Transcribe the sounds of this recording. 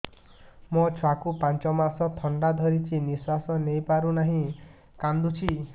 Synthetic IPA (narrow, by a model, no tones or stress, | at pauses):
mɔt͡ʃʰwakupãnt͡ʃɔmasɔt̪ʰɔɳɖad̪ʱɔɾit͡ʃʰiniswasɔnejpaɾunaɦĩ | kand̪ut͡ʃʰi